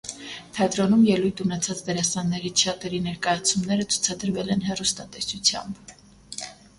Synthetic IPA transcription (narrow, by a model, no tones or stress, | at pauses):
t̪ʰɛt̪ɾɔnumjɛlujt̪ʰunɛt͡sʰɑt͡sd̪əɾɑsɑnːɛɾiʃɑt̪ɛɾinɛɾkɑjɑt͡sʰumnɛɾət͡sʰu̥t͡sʰɑd̪əɾvɛlɛnɦɛrust̪ɑt̪ɛsut͡sʰjɑ̰mb